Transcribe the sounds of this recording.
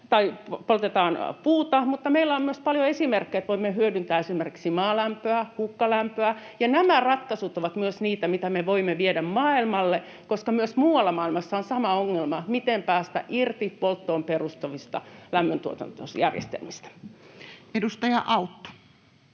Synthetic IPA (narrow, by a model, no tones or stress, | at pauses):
t̪ɑipolt̪et̪ɑːnpuːt̪ɑmut̪ːɑmeilːæommyøspɑljoesimerkːeːt̪ʋoimːehyødynt̪æːesimerki̥ksimɑːlæmpøæhukːɑlæmpøæjɑnæmærɑt̪kɑsut̪oʋɑt̪myøsniːt̪æmit̪æmeʋoimːeʋiedæmmɑːilmɑlːe | koskɑmyøsmuːwɑlːɑmɑːilmɑsːɑonsɑmɑoŋːelmɑmit̪empæːst̪æ̰ʔirt̪ipolt̪ːoːmperust̪ɑʋist̪ɑ̰læmːønt̪uot̪ɑ̰nt̪osjærjḛst̪ḛlmist̪æ̥ | edust̪ɑjɑʔɑut̪ːo̥